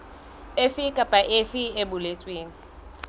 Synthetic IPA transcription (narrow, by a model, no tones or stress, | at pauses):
efikʼapʼaʔefiebʊlet͡sʼweːŋ̩